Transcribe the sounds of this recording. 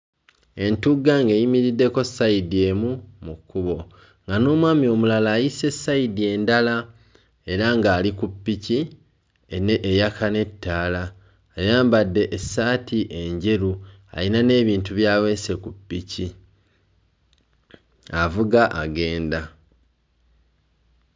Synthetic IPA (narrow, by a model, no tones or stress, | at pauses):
e̞ntuɡːaŋɡejimiɾidːe̞ko̞saidie̞ːmumukːuβo̞ | ŋɡano̞ːmwaːmio̞mulalaːjise̞sːaidie̞ːndala | e̞ɾaŋɡaːlikupːici | ejakane̞tːaːlaː | jaːmbadːe̞ʔːsːaːtʰiʔe̞ɲɟe̞ɾu | a̰linane̞ːβiːntuβjaːwe̞ːse̞kupːici | avuɡaʔaɡe̞ːnda